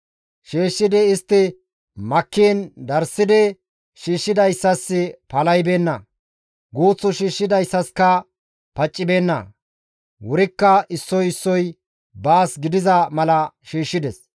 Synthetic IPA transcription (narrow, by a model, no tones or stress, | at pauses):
ʃeːʃːɪd̪ɛɪst̪ːɪ | mɐkːind̪ɐɾsɪd̪ɛ | ʃiːʃːɪd̪ɐjsːɐsːɪpɐlɐjbe̞ːnːɐ | ɡuːt͡sːɔʃiːʃːɪd̪ɐjsːɐskɐ | pɐt͡ʃʼːɪbe̞ːnːɐ̰ | wɔɾɪkːɐɪsːɔjɪsːɔj | baːsɡɪd̪ɪzɐmɐlɐʃiːʃːɪd̪ɛs